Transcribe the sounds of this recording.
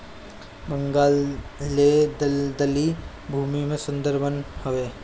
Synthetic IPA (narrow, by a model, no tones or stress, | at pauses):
bə̃ŋɡaːlːed̪əd̪əli | bʱuːmimẽsə̃nd̪əɾbənhʊʋeː